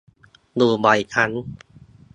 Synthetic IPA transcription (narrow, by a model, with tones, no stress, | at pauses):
d̪uː˧˩ba˨˩jkʰa˧˥n